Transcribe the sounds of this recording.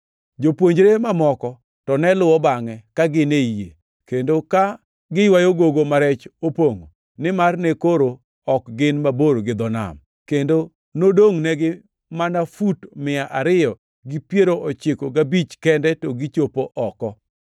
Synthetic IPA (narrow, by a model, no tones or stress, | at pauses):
d͡ʒopwoɲd͡ʒɾemamɔkɔ | tɔnɛlʊɔbaŋɛkaɡɪneije | kendoka | ɡɪjwajoɡoɡomaɾɛt͡ʃopoŋo̰ | nɪmarnekoɾo | ɔkɡɪnmaboɾoɡɪd̪ɔna̰m | kendo | nodoŋnɛɡɪ | manafutmɪaʔaɾɪjɔ | ɡɪpjeɾoʔɔt͡ʃɪkoɡabit͡ʃkɛndɛtɔɡɪt͡ʃopoʔɔkɔ